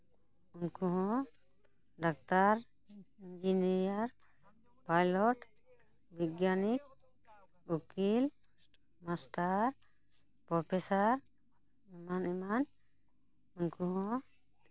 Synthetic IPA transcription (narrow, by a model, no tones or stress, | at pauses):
unkuɦɔ̃ | ɖak̚t̪aɾ | ind͡ʒiniɾjaɾ | pajlɔʈ | bʱiɡjanik̚ | ukil | masʈaɾ | pɔpʰesaɾ | ɛmanɛman | unkuɦɔ̃